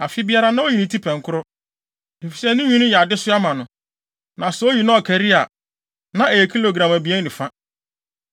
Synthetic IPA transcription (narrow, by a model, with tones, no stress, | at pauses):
a˨fi˦bi˦a˦ɾa˦nã˦o˦ji˨nĩ˨tʰi˦pʰɛ̃˨ŋ˦kʰʊ˦ɾʊ˦ | e˨fi˨sɛ˦nɪ̃˦ɲĩ˦nʊ̃˦jɛ˨a˨dɪ˦sʊ˦a˦mã˨nʊ̃˨ | nã˨sɛ˨˦o˦ji˨nã˦ɔ˨kʰæ˨ɾi˦a˨ | nã˨ʔe˨kʰi˦lo˨ɡɾã˨mæ˨bi˨ɛ˦nɪ̃˨fã˦